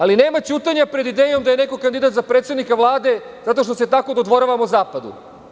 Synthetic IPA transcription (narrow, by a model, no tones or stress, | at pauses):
aline̞ːmat͡ɕuːt̪aɲapɾe̞d̪id̪eːjo̞md̪aje̞ne̞ko̞kand̪id̪at̪zapɾet̪sed̪nikaʋlˠaːd̪e̞ | zat̪o̞ʃt̪o̞se̞t̪ako̞d̪od̪ʋo̞ɾaʋamozaːpad̪ṵ